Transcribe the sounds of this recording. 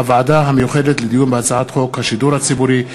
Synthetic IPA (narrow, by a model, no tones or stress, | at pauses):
avaadaɦamejuχedet̪led̪ijunbat͡saʕat̪χo̞khaʃiduɾhat͡sibuɾi